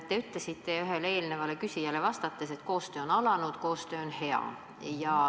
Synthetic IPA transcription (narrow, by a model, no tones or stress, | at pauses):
t̪ːe̞yt̪lesit̪ːˑe̞yɦe̞lee̞ːlne̞vɑlekysʲijæle̞vɑst̪ɑt̪ːˑese̞t̪ko̞ːst̪øːonɑlɑnud̪̥ko̞ːst̪ø̞ːonhe̞ɑ̰ | jɑ